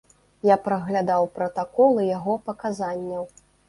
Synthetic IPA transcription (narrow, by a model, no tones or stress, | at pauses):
japɾɐɣlʲad̪awpɾɐt̪akɔlˠɨjaɣɔpɐkazanʲːɐw